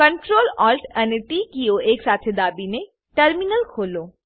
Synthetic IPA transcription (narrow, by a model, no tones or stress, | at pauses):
kəɳʈɾoːlɔːlʈɛneʈikijoeːksaːt̪ʰed̪aːbine | ʈəɾminəlkʰoːloː